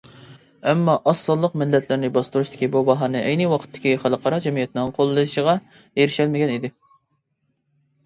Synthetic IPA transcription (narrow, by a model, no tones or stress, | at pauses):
ɛmːɑʔɑsːɑlˠːəqmɪlːɛt̪ʰlɪɾnɪbɑst̪uɾuʃt̪ʰɪ̥kʲʰibubɑɦɑnɨʔɛjnɨwɑqʰə̥t̪ʰːɪ̥kʲiχɑlˠəqʰɑɾɑd͡ʒɛmijɛt̪ʰɪnɪŋqʰolˠːɨjʃəʁɑ | jeɾɪʃɛlmɪɡʲɛnid̪ɪ